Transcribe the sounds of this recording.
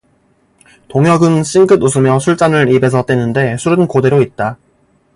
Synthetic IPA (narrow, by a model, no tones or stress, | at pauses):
toŋɦjʌɡɯnɕ͈ʰinɡɯdus̬ʰɯmjʌsʰuɭt͡ɕ͈anɯɾibe̞sʰʌt͈wenɯnde̞sʰuɾɯnkode̞ɾoit̚t͈a